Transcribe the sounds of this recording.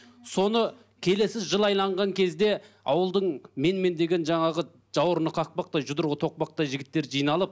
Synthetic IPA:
so̞nə | kʲʰe̞le̞sɪzʒəlˠɑjlˠɑɴʁɑŋkʲʰe̞zd̪e̞ | ɑ̰wəlˠd̪əɴme̞nme̞nd̪e̞ɡʲe̞nʒɑɴɑʁə | ʒ̥ɑwəɾənəqʰɑq̚pɑq̚t̪ɑjʒʊd̪əɾʁət̪ʰo̞q̚pɑq̚t̪ɑjʒɪɡʲɪt̪ːe̞ɾʒijnɑlˠəp̚

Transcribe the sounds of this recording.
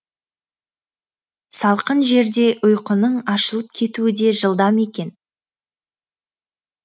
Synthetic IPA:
sɑlˠqənʒe̞ɾd̪e̞ʔʊjqənəɴɑʃəlˠəp̚kʲʰe̞t̪uɪd̪e̞ʒəlˠd̪ɑme̞kʲe̞n

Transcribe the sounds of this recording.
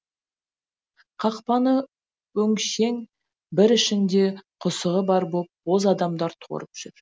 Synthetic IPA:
qʰɑqpɑnə | wɵŋʃe̞ŋ | bɪɾɪʃɪnd̪e̞qʰʊsəʁəbɑɾbop̚o̞zɑd̪ɑmd̪ɑɾt̪ʰo̰ɾəpʒ̥ʏɾ

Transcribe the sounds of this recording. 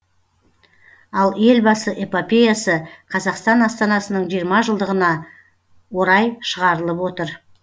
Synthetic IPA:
ɑlˠe̞lbɑsəʔepopʲe̞jasəqʰɑzɑqst̪ɑnɑst̪ɑnɑsənəɴʒijɾmɑʒəlˠd̪əʁənɑ | wo̞ɾɑjʃəʁɑɾəlˠəpwo̞t̪əɾ

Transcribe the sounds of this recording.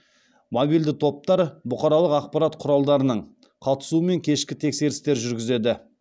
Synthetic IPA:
mobijld̪ɪt̪ʰo̞p̚t̪ɑɾbʊqɑɾɑlˠəqɑq̚pɑɾat̪qʰʊɾɑlˠd̪ɑɾənəɴ | qʰɑt̪ə̥suəme̞ŋkʲʰe̞ʃkʲɪt̪ʰe̞kse̞ɾɪst̪e̞ɾʒʏɾɡʲɪze̞d̪ɪ

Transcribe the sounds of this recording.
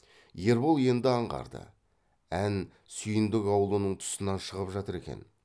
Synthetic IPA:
je̞ɾbolˠje̞nd̪ɪɑɴʁɑ̰ɾd̪ə̰ | æn | sʏjɪnd̪ɪkɑwlˠunəɴt̪ʰʊ̥sənɑnʃəʁəpʒɑt̪əɾe̞̰kʲe̞̰n

